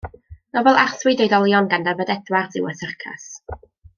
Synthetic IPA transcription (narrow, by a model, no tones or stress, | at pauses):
nɔvɛlˠarθwɨdejdɔlˠjɔnɡandabədɛdwarθɪwəθərkʰa̰s